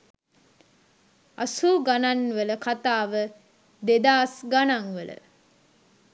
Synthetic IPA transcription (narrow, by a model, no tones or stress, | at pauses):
a̰suːɡananːʋələkat̪aːʋə | d̪ed̪aːsɡanaŋʋələ̰